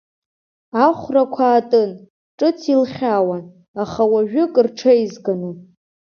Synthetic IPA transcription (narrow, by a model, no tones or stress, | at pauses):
aχʷrakʷʰaːtʼɨn | ʈ͡ʂʼɨt͡sʰilχʲawan | aχawaʒᶣʊkʼɨrʈ͡ʂʰaizɡanɨ